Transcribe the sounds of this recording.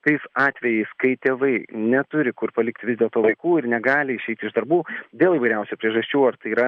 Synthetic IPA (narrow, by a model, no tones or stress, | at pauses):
t̪ɐɪsɑːt̪ʲʋʲɛjɛɪskɐɪt̪ʲeːʋɐɪnʲɛt̪ʊɾʲɪkʊrpɐlʲɪkt̪ʲʋʲɪzd̪ʲeːlˠt̪oːʋɐɪkuːɪɾnʲɛɡɑːlʲɪɪʃʲɛɪt̪ʲɪʒd̪ɐɾbuːd̪ʲeːlˠiːʋɐɪɾʲɛʊsʲupʲɾʲiɛʒɐsʲt͡ʃʲuːɐɾt̪ɐɪiːɾɐ